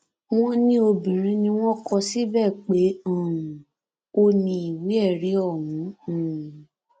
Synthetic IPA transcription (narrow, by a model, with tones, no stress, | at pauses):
w̃ɔ̃˦nĩ˦o˧bĩ˨ɾ̃ĩ˧˦nĩ˧w̃ɔ̃˦kɔ˧si˦bɛ˦˨k͡pe˨˦ɔ̃˦˨ũ˨ | o˧nĩ˧i˨wi˨˦ɛ˦˨ɾi˨˦ɔ˦˨wũ˨˦˨